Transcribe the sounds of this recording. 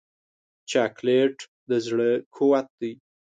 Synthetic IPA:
t͡ʃakleʈ | d̪əzɽəkʰowat̪̚d̪ij

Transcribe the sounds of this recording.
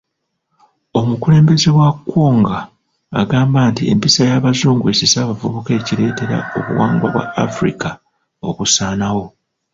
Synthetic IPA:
o̞mukule̞ːmbe̞ze̞wakːoːŋɡaː | ɡaːmbaːntie̞̰mpisajaːβazuːŋɡue̞sisaːβavuβuke̞ːciɾe̞ːte̞ɾa̰o̞̰βṵwaːŋɡwa̰βwa̰ːfɾḭka | o̞kusaːnawo̞

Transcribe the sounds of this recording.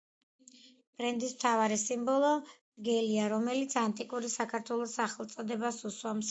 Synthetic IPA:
b̥ɾɛnd̪ismt̪ʰavaɾisimbɔlˠɔ | ɡɛliaɾɔmɛlit̪sʰant̪ʼikʼuɾisakʰaɾt̪ʰwɛlˠɔsaχɛlˠt̪sʼɔd̪ɛbasuswams

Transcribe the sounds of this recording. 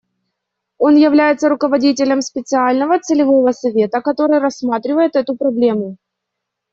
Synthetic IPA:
o̞njɪvlʲæjɪt̪səɾʊkəvɐdʲitʲɪlʲəmspʲɪt̪sɨalʲnəvət̪sɨlʲɪvo̞vəsɐvʲe̞t̪əkɐt̪o̞ɾɨjrɐsːmat̪ɾʲɪvəjɪt̪ɛt̪ʊpɾɐblʲe̞mʊ

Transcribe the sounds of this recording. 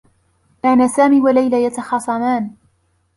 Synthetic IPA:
kaːnaːsaːmiːwalajlajat̪ɑxɑːsˤɑmaːn

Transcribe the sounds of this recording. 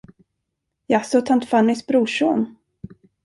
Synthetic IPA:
jasɔt̪ʰant̪fanːɪsbɾuːʂon

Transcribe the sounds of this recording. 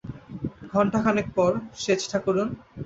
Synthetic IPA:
ɡʱɔɳʈakʰanekpɔɾʃet͡ɕʈʰakuɾun

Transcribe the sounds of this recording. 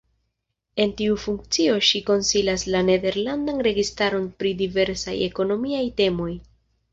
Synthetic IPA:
e̞ntiufuŋk̚t͡sio̞ʃiko̞nsilaslane̞de̞ɾlandanɾe̞ɡistaɾo̞npɾidive̞ɾsa̰je̞̰ko̞no̞miajte̞mo̞j

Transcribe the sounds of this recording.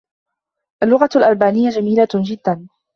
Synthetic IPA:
ʔalːʊɣalʔalbaːnɪjːad͡ʒamiːlad͡ʒɪd̪ːan

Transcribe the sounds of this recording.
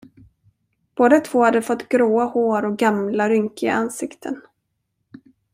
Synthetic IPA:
b̥oːd̪at̪ʰvoːhad̪ːəfɔt̪ːɡɾoːahoːɾɔk̚ɡamlaɾʏŋkɪɡa̰ansɪkt̪ʰə̰n

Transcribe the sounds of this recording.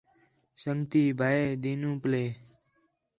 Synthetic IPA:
səŋɡt̪iːbʱaːeːd̪iːnũːpleː

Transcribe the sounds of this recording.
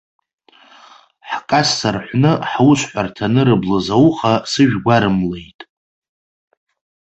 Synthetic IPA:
ħkʼasːarħʷnɨħwʊʃʷħʷᶣartʰanɨɾɨblɨzawχasɨʒᶣɡʷaɾɨmlejtʼ

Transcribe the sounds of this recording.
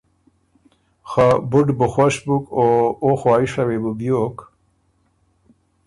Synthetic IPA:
xabʊɖbuxwaʃbukooxaːiʂawebubjoːk

